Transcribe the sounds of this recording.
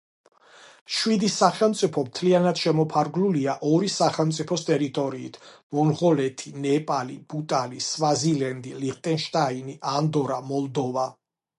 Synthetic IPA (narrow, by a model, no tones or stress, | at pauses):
ʃwid̪isaχɛlˠmt̪sʼipʰɔmt̪ʰlianad̪̥ʃɛmɔpʰaɾɡluliaʔɔɾisaχɛlˠmt̪sʼipʰɔst̪ʼɛɾit̪ʼɔɾiːt̪ʰmɔnʁɔlɛt̪ʰinɛpʼalib̥ut̪ʼalisvazilɛnd̪iliχt̪ʼɛnʃt̪ʼainiʔand̪ɔɾamɔlˠd̪ɔva